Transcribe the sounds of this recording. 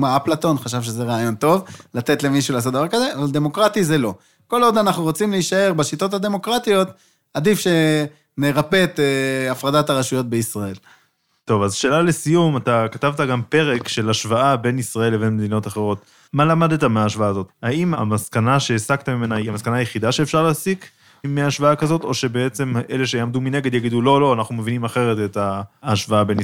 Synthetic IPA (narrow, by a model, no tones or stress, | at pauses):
maaplato̞nχaʃavʃeze̞ʁaːjo̞nt̪o̞vlat̪e̞t̪le̞miʃuleaːsot̪̚davaʁkaze̞avald̪e̞mo̞kʁat̪ize̞lo̞ | ko̞lo̞d̪anaχnuʁot͡simleiʃae̞ʁbaʃit̪o̞t̪had̪e̞mo̞kʁat̪io̞t̪ | ad̪ifʃe̞ | neʁape̞t̪eafʁadataʁaʃujo̞t̪̚beisʁae̞l | t̪o̞vazʃe̞ːlalesijumatakatavtaɡampe̞ʁe̞kʃe̞laʃvaabe̞nisʁae̞lebe̞nme̞d̪ino̞taχeʁo̞t | malamad̪etameaːʃvaaːzo̞t̪haima̰maskanaʃeːsakt̪amimenaamaskanaːjeχidaʃe̞ːfʃaʁlaːsik | meaʃvaakazo̞to̞ʃe̞be̞et͡se̞mʔe̞le̞ʃ̬ejamdumine̞ɡe̞d̪jaɡidulo̞lo̞anaχnumevinimaχe̞ʁe̞te̞taːʃvaabe̞n